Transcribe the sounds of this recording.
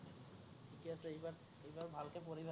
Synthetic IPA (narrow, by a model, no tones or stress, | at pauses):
ʈʰikiasʰeejbaɾ | ejbaɾbʱalkepoɾibʱe